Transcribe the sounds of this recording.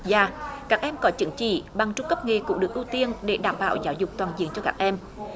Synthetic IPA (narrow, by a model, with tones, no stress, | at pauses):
zaː˨˩kaː˦˥k̚ʔɛ˧mkɔ˨˦t͡ɕɨ˨˦ŋt͡ɕḭ˧˨ɓa˨˩ŋt͡ɕʊ˧ŋ͡mkə˦˥p̚ŋe˨˩kʊ̰˧˥ŋ͡mɗɨ˨˩əkʔu˧t̪i˧ənɗe˧˩˦ɗaː˧˩mɓa̰ː˧˨wzaː˨˦wzʊ˨˩k͡p̚t̪waː˨˩nzḭ˧˨ənt͡ɕɔ˧kaː˦˥k̚ʔɛ˧m